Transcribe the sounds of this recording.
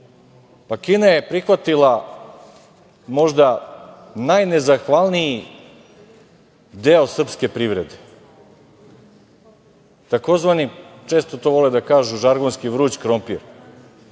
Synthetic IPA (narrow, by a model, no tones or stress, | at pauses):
pakinaje̞pɾixʋat̪ilˠa | mo̞ʒd̪a | najnezaxʋalˠnii | d̪eosr̩pske̞pɾiʋɾed̪e | t̪ako̞zʋanit͡ʃe̞ːst̪ot̪oːʋo̞led̪akaːʒuʒaɾɡonskiʋɾuːt͡ɕkɾompiɾ